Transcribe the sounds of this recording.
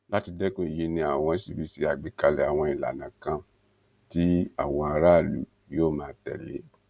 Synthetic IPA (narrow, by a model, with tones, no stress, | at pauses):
la˦ti˧dɛ˦kũ˦i˨ji˧˦nĩ˧a˨w̃ɔ̃˧˦si˦˨bi˨˦si˦a˨ɡ͡be˨ka˧lɛ˨a˨w̃ɔ̃˧i˨la̰˨nã˨kã˧˦ | ti˦a̰˨w̃ɔ̃˧a˧ɾa˦˨lṵ˨ | joː˦˨mãː˨˦tɛ̰˨lḛ˨˦